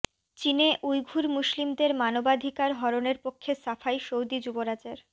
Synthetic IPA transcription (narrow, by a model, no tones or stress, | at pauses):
t͡ɕineʔujɡʱuɾmuʃlimd̪eɾmanobad̪ʱikaɾɦɔɾoneɾpokʰːesafajʃowd̪id͡ʑuboɾad͡ʑeɾ